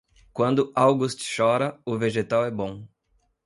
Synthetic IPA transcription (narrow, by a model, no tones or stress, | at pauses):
kwɐ̃nd̪ʊawɡʊst͡ʃɪ̥ʃɔɾɐʊveʒet̪awɛbõ